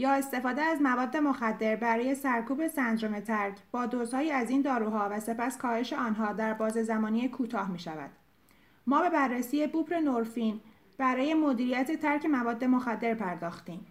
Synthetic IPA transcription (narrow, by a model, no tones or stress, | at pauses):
jɒːe̞st̪e̞fɒːd̪eæzmævɒːd̪ːe̞moxæd̪ːe̞ɾbæɾɒːje̞sæɾkʰuːbe̞sænd̪ɾomet̪ʰæɾcʰb̥ɒːd̪oːzhɒːjiːæziːnd̪ɒːɾuːɦɒːvæse̞pæskʰɒːhe̞ʃe̞ɒːnɦɒːd̪æɾbɒːzezæmɒːniekʰuːt̪ʰɒːhmiːʃævæ̰d̪̥ | mɒːbe̞bærːesiːje̞buːpɾe̞noɾfiːn | b̥æɾɒːje̞mo̞d̪iːɾijæt̪ʰe̞t̪ʰæɾcʰe̞mævɒːd̪ːe̞mo̞xæd̪ːe̞ɾpʰæɾd̪ɒːxt̪iːm